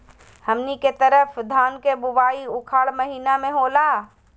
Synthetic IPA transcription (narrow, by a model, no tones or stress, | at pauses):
hɐmniket̪əɾəfd̪ʱaːnkebʊbaːiʊkʰaːɽmɐɦiːnamẽɦoːlaː